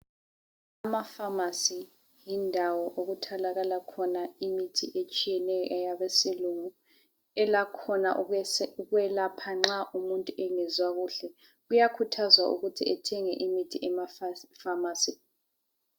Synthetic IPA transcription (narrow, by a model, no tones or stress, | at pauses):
amafamasi | jindʱawɔʔoɣutʰalaɣalakʰɔnaimitʰḭʔet͡ʃʼijɛnɛjɔʔɛjaβesiluŋu | ɛlakʰɔna̰ʔuɣwɛlapʰaŋ͡ǁaʔumuntʼuʔɛŋɛzwaɣuːɬɛ | ɣujakʰutʰazwaʔṵɣutʰiɛtʰɛŋɛʔimitʰiʔɛmaffamaːsi